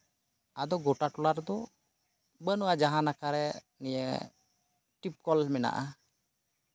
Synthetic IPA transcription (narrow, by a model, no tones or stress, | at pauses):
ad̪ɔɡɔʈaʈɔlaɾd̪ɔ | bənuwad͡ʒaɦãnakaɾɛ | nijə̰ | ʈip̚kɔlmɛna̰ʔa̰